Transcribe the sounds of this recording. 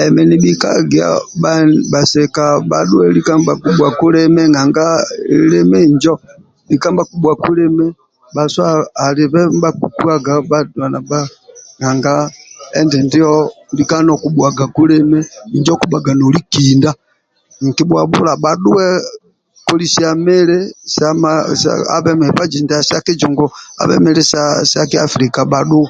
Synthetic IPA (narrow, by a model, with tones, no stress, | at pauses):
ɛmɛ˨ni˨ɓika̰ɡia̰˨ɓaba˨sɛka˨ba̰ɗu˦ɛ˦li˦ka˦mba˨ku˦ɓwa˨ku˦lɛ˦mɛ˦ŋa˨ŋɡa˦lɛ˦mɛ˦ɲd͡ʒɔ˦ | li˦ka˦mba˦ku˦ɓwa˨ku˦lɛ˦mɛ˦ | ba˨swaː˨li˨βɛ˦mba˦ku˨ku˦a˦ɡa˨ba˦da˨na˨ba˦ | ŋa˨ŋɡa˦ɛ˦ndɛ˨ndi˦ɔlika˦nɔ˨ku˦ɓwa˨ɡa˨ku˦lɛ˦mɛiɲd͡ʒɔ˦ku˦ɓa˨ɡa˨nɔ˨likinda | ŋ˨ki˦bwa˨βṵlaɓaɗu˦wɛ | kɔ˦lisiamɛ˦lɛsamasa̰a̰βɛ˦mɛhɛpad͡ʒi˨ndasaki˦d͡ʒɔŋɡɔa̰˨βɛ̰˦mɛ˦lɛsasakiafɾikaβaɗu˦